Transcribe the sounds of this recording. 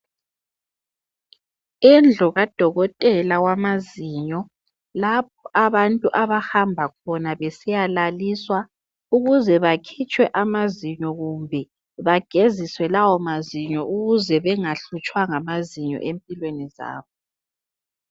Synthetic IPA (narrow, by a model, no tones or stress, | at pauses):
ɛnd͡ɮʱɔɣad̥ʱɔɣɔtʼɛlawamaziːɲɔ | lap̚ʰɔʔaβantʼuʔaβahambʱakʰɔnaβɛsijalaliswa | uɣuzɛβakʰit͡ʃʼwɛʔamaziɲɔɣumbʱɛ | βaɡ̥ʱeziswɛlawɔmaziɲɔʔuɣuzɛβɛŋaɬut͡ʃʼwaŋamaziɲɔ̰ʔempʼilweniza̰ːβɔ